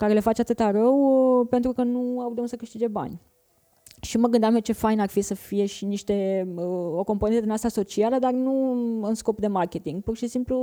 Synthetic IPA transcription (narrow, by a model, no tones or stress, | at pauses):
kaɾe̞le̞fat͡ʃeat̪ɨt̪aɾəwpe̞nt̪ɾukənuawd̪eunsəkɨʃt̪id͡ʒe̞ba̰nʲ | ʃiməɡɨnd̪amet͡ʃe̞fajnarfisəfije̞ʃiniʃt̪e̞əo̞ko̞mpoet̪ed̪nast̪aso̞t͡ʃialəd̪arnuɨnsko̞pd̪e̞markʲe̞t̪iŋɡ̚purʃisimplu